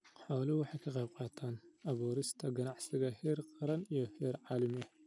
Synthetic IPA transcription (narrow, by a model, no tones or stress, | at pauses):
ħɔːlɪwɑħɑjkʰɐqɑjb̚qɑːt̪ʰaːnʔɐβuːɾɪst̪ʰɐɡɐnɑʕsɪɣɐhɛːrqɑɾɐnijɔhɛːɾʕɑːlɪmɪɛ